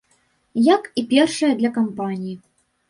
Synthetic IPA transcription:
jakipʲɛrʂɐjɐd̪lʲɐkampanʲiji

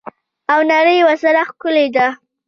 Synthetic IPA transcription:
awnaɾəjwasaɾaxkʊled̪a

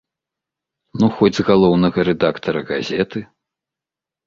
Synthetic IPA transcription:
nuxɔd͡zʲzɣalˠɔwnɐɣɐɾɛd̪akt̪ɐɾɐɣazʲɛt̪ɨ

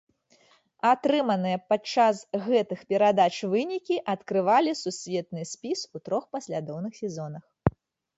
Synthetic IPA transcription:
at̪ɾɨmɐnɨjɐpat͡ʂasɣɛt̪ɨxpʲɛɾad̪at͡ʂvɨnʲikʲiʔɐt̪kɾɨvalʲisusʲvʲɛt̪̚nɨsʲpʲisut̪ɾɔxpɐsʲlʲad̪ɔwnɨxsʲɛzɔnɐx

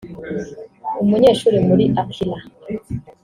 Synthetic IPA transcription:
umuɲeːʃuːɾemuɾiʔakʰila

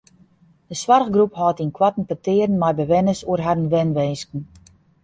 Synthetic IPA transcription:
dəswarəɣɡruphɔːtinkwatn̩pətɪːrn̩majbəʋɛnəsuərɦadənʋɛnʋeːskn̩

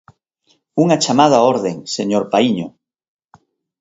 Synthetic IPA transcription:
uŋat͡ʃamað̞aoɾðeŋseɲoɾpaiɲo

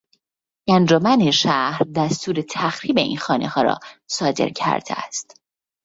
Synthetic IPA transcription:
ʔænd͡ʒomæneʃæhɾd̪æst̪uːɾet̪ʰæxɾiːbe̞ʔḭːnxɒːnehɒːɾɒ̰ːsɒːd̪e̞̰ɾcʰæ̰ɾd̪ḛæ̰st̪

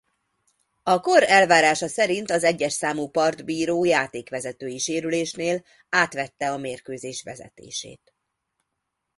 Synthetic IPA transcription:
ɒko̞ɾɛlvaːɾaːʃɒsɛɾint̪ɒzɛɟːɛʃsaːmupɒrd̪biːɾoːjaːt̪eːkʋɛzɛt̪øːjiʃeːɾyleːʃneːl | aːt̪ʋɛt̪ːɛɒmeːrkøːzeːʃʋɛ̰zɛ̰t̪ḛːʃḛːt̪

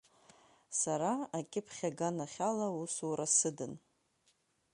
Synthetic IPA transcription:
saɾaakʲʼɪpʰχʲaɡanaχʲalausuɾasɨdɨn

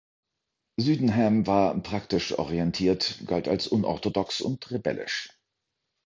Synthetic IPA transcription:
zyːdn̩ɦɛːmvaːɐpʁ̥aktɪʃʔɔ̰ʁiɛntʰiːɐtɡ̥alta̰lsʔʊnʔɔ̰ɐtodɔksʊ̰ntʁebɛ̰lɪ̰ʃ

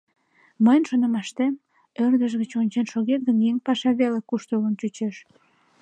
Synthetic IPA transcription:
məjnʃonəmɑʃt̪em | ørd̪əʒɣət͡ɕonʲt͡ɕenʃoɣet̪̚ɡənjeŋpɑʃɑβelekuʃt̪olənt͡ɕut͡ɕeʃ

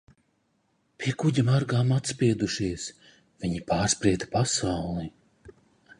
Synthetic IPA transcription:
pʲiɛkuɟʲamaɾɡaːmat̪spiɛd̪uʃiɛs | vʲiɲipaːɾspɾiɛt̪ḁpasawlˠi

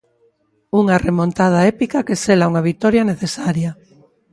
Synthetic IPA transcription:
uŋaremont̪að̞aɛpikakeselauŋaβ̞it̪ɔɾjɐneθesaɾjɐ

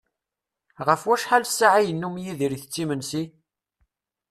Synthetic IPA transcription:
ʁəfwæʃħalsaʕajənːumjiðiɾiθət͡sːimənsi

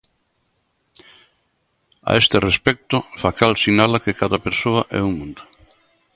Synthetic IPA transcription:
a̰est̪ɪrespɛk̚t̪ʊfakalsinalakɪkaðɐpeɾsoɐʔɛ̰uŋmũnd̪ʊ

